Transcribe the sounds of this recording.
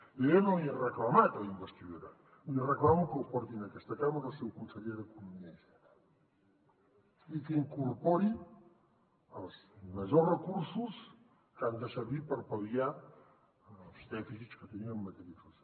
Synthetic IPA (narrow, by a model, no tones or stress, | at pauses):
əenoiərəkləmat̪limbəst̪iðuɾə | irəklamukəwpɔɾt̪inəkɛst̪əkaməɾəlˠsɛwkunsəʎeðəkunumiɛs | ikəiŋkurpoɾin | əlˠzməʒorəkursus | kand̪əsəɾβipəɾpəβia | lˠzd̪ɛfisit͡skət̪əniəmːət̪əɾisusa